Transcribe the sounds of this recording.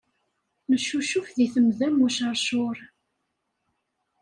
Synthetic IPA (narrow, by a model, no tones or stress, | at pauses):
nəʃːuʃufðiθəmðæmuʃəɾˤʃʊɾˤ